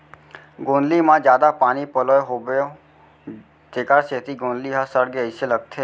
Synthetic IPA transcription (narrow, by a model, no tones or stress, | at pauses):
ɡõːnlimãd͡ʒjaːd̪apaːnipəloːeɦoːbeo | t̪eːkaɾseːt̪iɡõːnliɦãsəɾɡeəɪseləɡ̚t̪ʰeː